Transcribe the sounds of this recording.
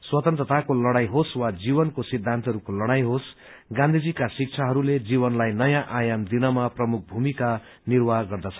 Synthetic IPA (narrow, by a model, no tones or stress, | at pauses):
swʌt̪ʌnt̪rʌt̪ʰakolʌɽajɦoswad͡zibʌnkosid̪ʱːant̪ʌɦʌɾukolʌɽajɦos | ɡãnd̪ʱid͡zikasik̚t͡sʰaɦʌɾuled͡zibʌnlajnʌjãʔajamd̪inʌmaprʌmuk̚bʱumika | nirwaɡʌrd̪at͡sʰʌ